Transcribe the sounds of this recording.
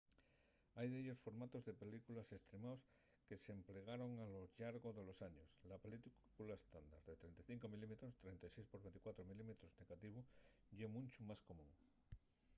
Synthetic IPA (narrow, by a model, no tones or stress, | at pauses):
ajðeʎo̞sfo̞ɾmat̪ozðe̞pe̞likulase̞st̪ɾemaws | kesempleɣaɾo̞ŋaloʎaɾɣoðe̞lo̞saɲoslapeli | kulaest̪and̪aɾðet̪ɾent̪ajθiŋkomilimet̪ɾost̪ɾent̪ajsejspoɾβe̞nt̪i̥kwat̪ɾomilimet̪ɾozne̞ɣat̪iβ̞o | ʎemũnt͡ʃumasko̞mũŋ